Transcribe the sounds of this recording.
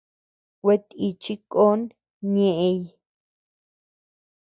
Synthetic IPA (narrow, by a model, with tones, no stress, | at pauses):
kʷe˧t̪i˧˨t͡ʃi˦ko˦n | ɲẽ˦ʔe˧j